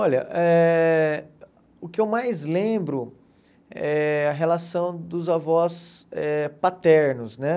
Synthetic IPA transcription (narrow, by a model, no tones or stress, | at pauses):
ɔʎɐʔɛ | ʊkɪewmajzlẽbɾʊ | ɛɐɦelasɐ̃w̃d̪ʊzavɔsɛpat̪ɛɾnʊznɛ